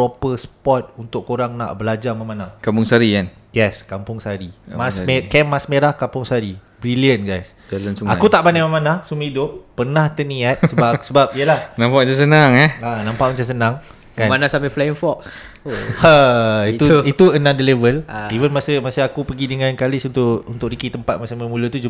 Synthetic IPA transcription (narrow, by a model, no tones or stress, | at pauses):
pɾopəspɔt̪̚unt̪ʊkkːoɾaŋna̰ʔbəlad͡ʒamamanahkampʊŋsaɾikanjɛskampʊŋsaɾimasmekɛmasmeɾahkampʊŋsaɾibɾiliənɡajs | dlənsuaakut̪aʔpanamamãnahsumhidʊp̚ːərnaht̪əniat̪̚səbasəbap̚ijəlahnãmpaʔət͡ʃas̬ənaŋɛanãmpaʔmət͡ʃas̬ənãŋ | kanmanasameflaəŋfɔk̚s | ait̪uit̪uənãdəlevəlivənmasəmasəakupəɡidəŋãnkalɪsunt̪ʊʔunt̪ʊkɾikit̪əmpat̪̚masaməmulət̪ud͡ʒu